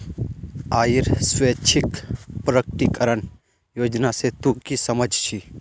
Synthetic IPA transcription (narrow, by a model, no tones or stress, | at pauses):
aːjiɾsweːt͡ʃʰɪkpɾəkʈikəɾən | joːd͡ʒnaset̪ukisɐməd͡ʒʱt͡ʃʰi